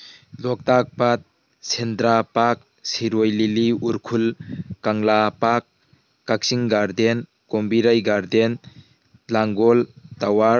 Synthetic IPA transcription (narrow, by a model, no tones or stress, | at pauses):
lɔk̚tak̚pat̚ | sendɾapak̚ | siɾojliliuɾkʰulkaŋlapak̚ː | ak̚siŋɡaɾden | kombiɾajɡaɾden | laŋɡɔltawaɾ